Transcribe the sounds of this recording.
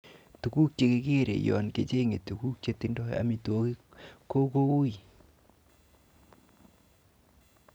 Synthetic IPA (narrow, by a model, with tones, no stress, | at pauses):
tu˨ku˦k̚t͡ʃe˧ke˦ke˦ɾḛ˨jɔ̰˨nke˨t͡ʃe˦ŋe˨tu˨ku˦k̚t͡ʃe˧tindɔ˦ja̰˨mi˨to˦ki˦ko˦ko˦u˦i˨